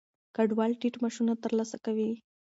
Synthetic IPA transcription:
kaɖwɑlʈiʈmaʃunat̪əɾlasakawi

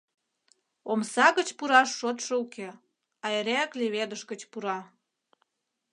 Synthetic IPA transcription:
omsɑɣət͡ɕpuɾɑʃːot̪ʃəukʰe | ɑeɾækleβed̪əʃɣə̆t͡ɕpuɾɑ

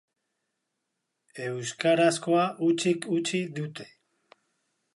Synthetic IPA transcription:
e̞wskaɾasko̞aʔut͡ʃikut͡ʃiðut̪e̞̥

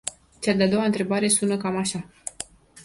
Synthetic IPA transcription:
t͡ʃead̪ead̪o̞waɨnt̪ɾe̞baɾe̞sunəkamaʃa

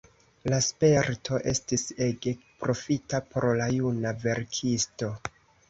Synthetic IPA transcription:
laspe̞ɾtʰo̞ʔe̞̰stise̞ɡe̞pɾo̞fitapoɾlajunave̞ɾkʰisto̞

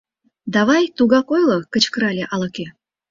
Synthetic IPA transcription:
d̪ɑβɑjt̪uɣɑkojlɤ̆kə̆t͡ɕkəɾɑlʲeʔɑlˠɤkʲe

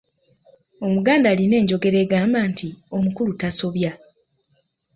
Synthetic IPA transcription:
o̞muɡaːndaːline̞ːɲɟo̞ɡe̞ɾe̞ːɡaːmbaːntio̞mukulutaso̞βja

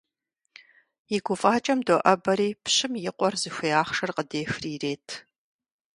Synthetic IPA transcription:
jɪɡʷʊfʼaːt͡ʃʼɐmdoʔɐbɐɾiːpɕɪmjɪqʷʼɔrzɨxʷijaːχʂɐrqədeːxriːreːtʰ

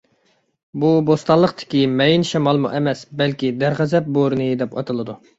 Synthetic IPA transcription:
bubost̪ɑlˠːəqt̪ʰɪ̥kʲimɛjinʃɛmɑlˠmṵʔɛmɛsbɛlkʲid̪æɾʁæzɛp̚boɾnɨd̪ɛpɑ̰t̪ʰɨlˠɨd̪u

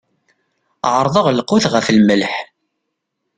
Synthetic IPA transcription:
ʕəɾˤðˤəʁlqːʊθʁəflməlħ

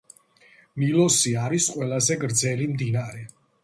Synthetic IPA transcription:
milˠɔsiaɾisqʼwɛlˠazɛɡɾd̪zɛlimd̪inaɾɛ

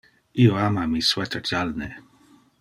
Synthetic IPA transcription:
ioamamiswɛt̪ʰətʰalne

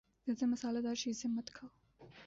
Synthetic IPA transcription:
d̪̥əd̪əmasɑlad̪ɑʃizɪmat̪kʰaw

